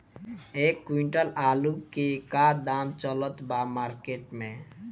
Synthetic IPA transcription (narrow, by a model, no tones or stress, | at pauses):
ekːwiɳʈəlalukekad̪amt͡ʃələt̪bamaɾkeʈmẽ